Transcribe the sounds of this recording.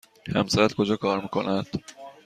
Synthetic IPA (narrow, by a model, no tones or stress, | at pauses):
hæ̰msæɾæt̪kʰod͡ʒɒkʰɒːɾmikʰonæd̪̥